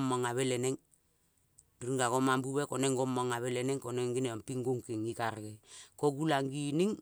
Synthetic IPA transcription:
mːaŋaβeleneŋ | dɾiŋɡaɡomambuβekoneŋɡomaŋaβeleneŋkoneŋɡineompiŋɡuŋkiŋikaɾɡekoɡulaŋɡiniŋ

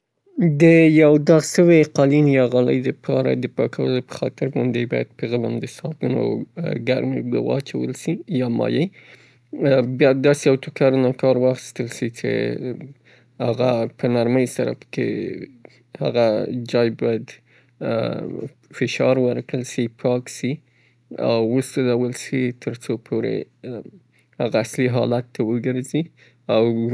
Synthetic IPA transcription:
d̪əjawd̪ɑɣʃəweqɑlinjɑɣɑləjd̪əpʰɑɾa̰d̪əpɑkʰawəlopə̥xɑt̪ɪɾɣʊnd̪ebɑjad̪̚pəɣəlamd̪əsɑd̪uno̰ɡaɾmebə̰wɑ̰t͡ʃawə̰lʃijɑmɑ̰jəj | bjɑd̪ɑsejawt̪ʊkaɾnakɑɾwɑxi̥st̪əlʃit͡ʃḛ | haɣapʰənaɾməjsaɾa̰pə̥kḛ | ha̰ɣad͡ʒɑjbɑjad̪ | fɪʃɑɾwəɾkəlsipʰɑksi | a̰wːusalawəlsit̪ʰəɾt͡sopʰoɾḛ | haɣaːsliɦɑlat̪ːawəɡəɾzi | aw

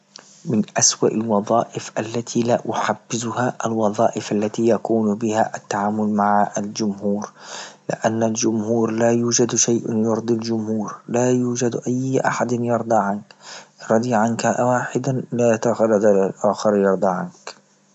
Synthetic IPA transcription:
mɪnʔaswaʔalwɑðˤɑːʔɪfʔalːat̪ʰilaːʔʊħabːɪzʊhaʔalwɑðˤɑːʔɪfʔalːat̪iːjakuːnbɪhaʔat̪ːaʕaːmʊlmaʕaald͡ʒʊmhuːɾlɪ̰ʔanːald͡ʒʊmhuːɾlaːjuːd͡ʒad̪ʃajʔjʊɾd̪ˤild͡ʒʊmhuːɾlaːjuːd͡ʒad̪ʔajːʔaħad̪ɪnjɑɾˤd̪ˤɑːʕankɾˤɑd̪ˤiʕankaʔawaːħɪd̪alat̪axald̪alalʔaːxɑɾjɑɾˤd̪ˤɑʕank

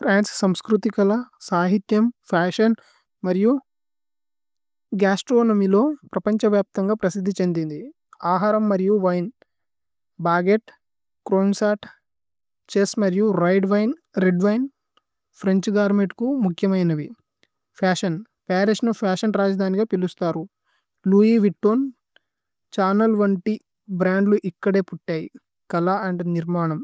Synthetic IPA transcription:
pʰɾaːnssɐmskɾut̪ikɐlɐsaːɦit̪jɐmpʰaːʂɐn | mɐɾiju | ɡaːsʈɾoːnɐmilo̞ːpɾɐpɐɲt͡ʃɐʋjaːp̚t̪ɐŋɡaːpɾɐsid̪ʱːit͡ʃe̞nd̪ind̪i | aːɦaːɾɐmːɐɾijuʋɐjn | baːɡeʈ | kɾoːnsaːʈ | t͡ʃeːsmɐɾijuɾɐjɖʋɐjnɾeɖʋɐjn | pʰɾe̞ɲt͡ʃɡaːɾmeʈkumukʰjɐmɐjnɐʋi | pʰaːʂɐn | peːɾiʂnupʰaːʂɐnɾaːd͡ʒɐd̪ʱaːniɡaːpilust̪aːɾu | luːjiːʋiʈːoːn | t͡ʃaːnɐlʋɐɳʈi | bɾaːɳɖluʔikːɐɽe̞ːpuʈːaːjḭ | kɐlaɐɳɖniɾmaːɳɐm

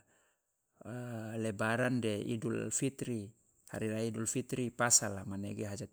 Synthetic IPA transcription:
lɛbaɾandɛḭdulfit̪ɾi | ha̰ɾilaiːdulfit̪ɾipasalamanɛɡeɦad͡ʒat̪̚

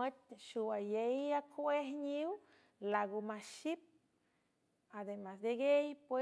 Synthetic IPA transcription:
ət̪̚ʃuwajejakʰehɲiw | laɡumaʃip̚ | ad̪emasd̪eɡejpwe

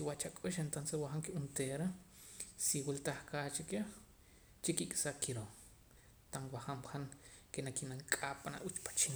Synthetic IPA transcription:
kiwat͡ʃakʼuʃent̪onseswaxaŋkiʔunt̪eɾa | siwilt̪aχkaːt͡ʃike | t͡ʃikikʼsakiɾo | t̪aŋwaχamxaŋ | kenakinaŋkʼapana̰ʔut͡ʃpḁt͡ʃin

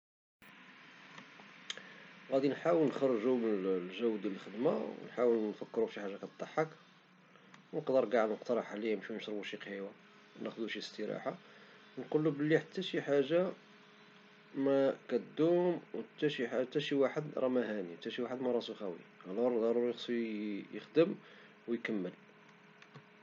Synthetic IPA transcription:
ɣæd̪inħawəlnxɑrˤːʒumnəllʒæwːd̪jæləlxəd̪maw̰nħawəlnfəkːɾuʃiħaʒːakæt̪̚t̪ˤːɑħːək | wnəqd̪əɾɡaʕəd̪məqt̪ɑɾˤɑħaʕlijæmʃwinʃɾˤbuʃiqhiwæ | næxd̪uʃist̪əɾɑ̰ħa | nqulːubəlːiħat̪ʰːæʃiħaʒːa | mækæt̪d̪ːumwt̪ːæʃiħt̪ːæʃiwaħəd̪ɾˤɑmæɦæniħt̪ːæʃiwaħəd̪mæɾˤɑsuxæwḭælɑɾˤd̪ɑɾˤuɾjəsˤujəxd̪əm | wjkəmːəl

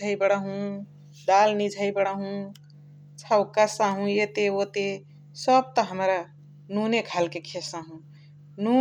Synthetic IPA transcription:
əjbəɽaɦũ | ɖalnid͡ʒʱəjbəɽaɦũ | t͡ʃʰaʊkasaɦũjet̪eot̪e | səb̚t̪əɦəmɾa | nunekʰalkekʰesaɦũ | nu

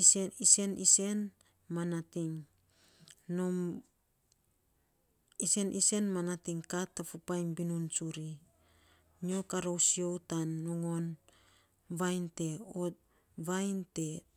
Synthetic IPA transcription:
ise̞nʔise̞n | manatiŋ | no | ise̞nʔise̞nmanatiŋkatːafupajnbinunsuɾi | nio̞kaɾowsio̞wtanːoŋo̞n | βajnte̞ot̚ | βajnte̞

